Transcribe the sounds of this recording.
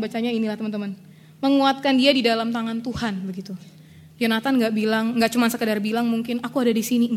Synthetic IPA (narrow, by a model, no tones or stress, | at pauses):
bat͡ʃaɲainilaht̪əmənt̪əmən | məŋuat̪̚kandiadidalamt̪aŋant̪uhanbəɡit̪u | janat̪anŋɡaʔbilaŋŋɡaʔt͡ʃumansəkədarbilaŋmuŋkɪnakuadadisini